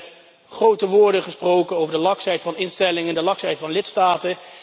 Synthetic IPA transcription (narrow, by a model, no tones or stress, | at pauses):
t | χrowtəʋʊːɹdəχəsprowkənowvəɹdəlɑksɛjtfɑnɪnstɛlɪŋəndəlɑksɛjtfɑnlɪtstaːtə